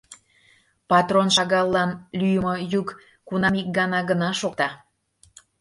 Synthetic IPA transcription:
pɑt̪ronʃɑɣɑlˠːɑnlyjəmojuk | kunɑmik̚ɡɑnɑɡənɑʃokt̪ɑ

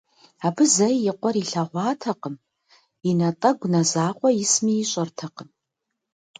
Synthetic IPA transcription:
abɨzɐjɪqʷʼɔɾiɬɐʁʷɑːtʰɐqəm | inɐtʼɐɡʷnɐzaːqʷʼɔjɪsmiːɕʼɐrtʰɐqəm

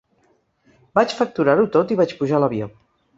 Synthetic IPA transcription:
bat͡ʃfək̚t̪uɾaɾut̪ot̪iβat͡ʃpuʒaləβio

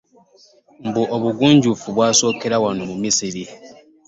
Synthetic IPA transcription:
m̩buʔoβuɡuːɲɟufuβwaːso̞ːkeɾawanomumisiɾi

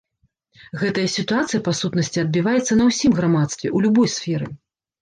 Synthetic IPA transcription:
ɣɛt̪ɐjɐsʲit̪uat̪sɨjɐpasut̪nɐsʲt͡sʲiɐd̪̚bʲivajɛt̪sːɐnɐwsʲimɣɾamat̪st̪vʲɛ̰ʔulʲubɔjsfʲɛɾɨ

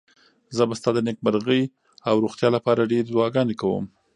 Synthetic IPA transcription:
zəbast̪ɑd̪ənek̚maɾɣəj | awɾoxt̪jɑlapɑɾaɖeɾdwɑɡɑnekawə̰m

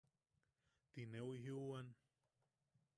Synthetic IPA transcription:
t̪inewiɦiuan

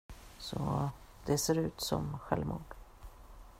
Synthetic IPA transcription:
sɔ | d̪̥ɛseːɾʉ̟ːt̪sɔmɧɛlvmuːɖ̥

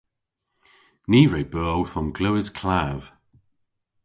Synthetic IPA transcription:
niːɹejbəːowθɔnɡləwɪz̥kʰl̥av̥

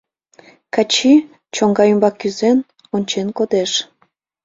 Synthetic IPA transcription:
kɑt͡ɕi | t͡ɕoŋɡɑjymbɑkːyzen | onʲt͡ɕenkod̪eʃ

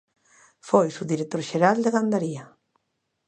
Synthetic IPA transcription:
fojsuðiɾek̚t̪oɾʃeɾald̪eɣand̪aɾia

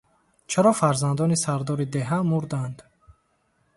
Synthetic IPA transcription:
t͡ʃʰaɾɔfaɾzand̪ɔnisaɾd̪ɔɾid̪eɦamuɾd̪and̪

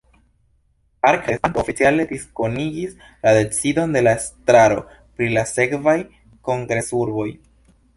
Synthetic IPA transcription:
aɾkesntofit͡siale̞disko̞niɡis | lade̞t͡sido̞nde̞laestɾaɾo̞ | pɾilase̞kvaj | ko̞ŋɡɾe̞suɾbo̞j

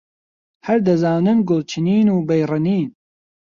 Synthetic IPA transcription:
hɐɾd̪ɐzaːnɨnɡʊlt͡ʃʰɨniːnuːbɐjrɨniːn

